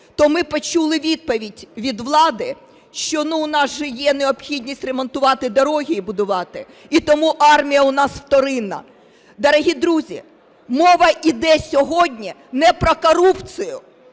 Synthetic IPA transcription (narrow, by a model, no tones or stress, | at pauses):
t̪ɔmɪpɔt͡ʃulˠɪʋʲid̪̚pɔʋʲidʲʋʲid̪ʋlˠɑd̪ɪ | ʃt͡ʃɔnuːnɑsʒɛjɛneɔpxʲid̪ʲnʲisʲtʲremɔnt̪ʊʋɑt̪ɪd̪ɔɾɔɦʲiibʊd̪ʊʋɑt̪ɪ | it̪ɔmuʔɑrmʲijɐʊnɑswt̪ɔɾɪnɐ̰ | d̪ɐɾɔɦʲid̪ɾuzʲḭ | mɔʋɐʔid̪ɛsʲɔɦɔdʲnʲinɛpɾɔkɔɾupsɪjʊ